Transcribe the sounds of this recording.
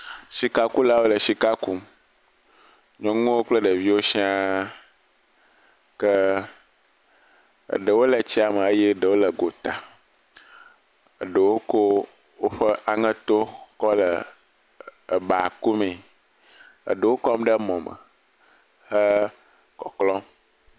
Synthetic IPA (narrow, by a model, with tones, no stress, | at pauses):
ʃi˨ka˦ku˦la˦wo˦lə˨ʃi˨ka˦ku˦m | ɲɔ̃˨ŋũ˦wo˦k͡plə˦ɖə˨vi˦wo˦ʃi˦a˦ | kə˦ | ə̰˨ɖə˨wo˦lə˨t͡ɕi˦a˨mə̃˨ə˦je˦ɖə˨wo˦lə˨ɡo˨t̪a˨ | ə̰˨ɖə˨wo˦ko˦ | wo˦ɸə˦ʔa˨ŋə̃˦t̪o˦kɔ˦lə˨ | ə˨ba˨ku˦mẽ˨ | ə̰˨ɖə˨wo˦kɔ˦m˦ɖə˦mɔ̃˨mə̰˨ | hə˦ | kɔ˨klɔ̃˦m